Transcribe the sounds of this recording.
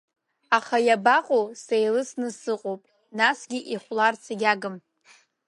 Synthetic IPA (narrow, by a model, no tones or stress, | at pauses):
aχajabaqʼosejlɨsnɨsɨqʼowpʼ | nasɡʲiʔiχʷlart͡sʰaɡʲaɡɨm